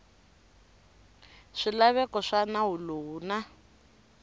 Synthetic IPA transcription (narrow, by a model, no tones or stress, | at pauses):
ʂilaβɛkɔʂanaɦuluna